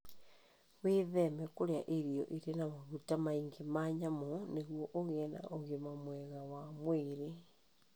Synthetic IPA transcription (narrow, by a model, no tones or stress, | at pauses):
weðɛmɛkoɾeaʔeɾiɔ̰ʔeɾenamaɣutamaiŋɡemaɲamoneɣwɔʔoɣeɛna̰ʔoɣemamwɛɣawamweɾe